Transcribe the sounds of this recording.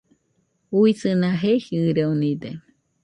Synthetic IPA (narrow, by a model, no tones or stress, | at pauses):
uisɨnãɦehiɨɾeunĩd̪e